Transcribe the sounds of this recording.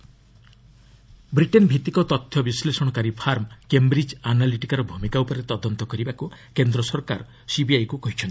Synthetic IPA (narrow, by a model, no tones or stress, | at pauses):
bɾiʈenbʱit̪ikɔt̪ɔt̪ʰːjɔbislesɔɽ̃ɔkaɾipʰaɾmkembɾid͡ʒanaliʈikaɾɔbʱumikaupɔɾet̪ɔd̪ɔnt̪ɔkɔɾibakukend̪ɾɔsɔɾkaɾ | sibiajkukɔɦit͡ʃʰɔnt̪i̥